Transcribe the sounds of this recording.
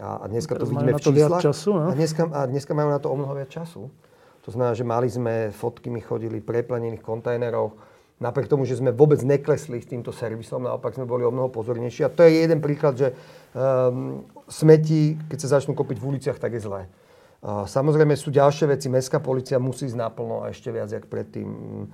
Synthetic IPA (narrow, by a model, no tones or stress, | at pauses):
a̰a̰d̪ɲɛskatt̪ɔʋiiːmɛft͡ʃiːslaxasud̪ɲɛs̬kaad̪ɲɛskamaːunat̪ɔɔmnɔɦɔʋɪat͡st͡ʃasu | t̪ɔzmɛnaːʒɛmalizmɛfɔt̪kimixɔ̰ɟilipɾɛplaɲɛniːxkɔnt̪ajnɛɾɔʊ | napɾɪɛkt̪ɔmuʒɛzmɛʋʊɔbɛd͡zɲɛklɛslist̪iːmt̪ɔsɛɾʋisɔmna̰ɔpaɡzmɛbɔliɔmnɔɦɔpɔzɔɾɲɛjʃiːat̪ɔjɛjjɛd̪ɛnpɾiːklad̪ʒɛ | smɛcikɛcsazat͡ʃnuːkɔpiɟvulit͡sɪaxt̪aɡjɛzlɛː | samɔzɾɛjmɛsuːɟalʃɪɛʋɛt͡simɛskaːpɔliːt͡siamusiːzɟnapl̩nɔ̰a̰ɛʃcɛʋɪad͡zjakpɾɛ̰t̪ːḭːm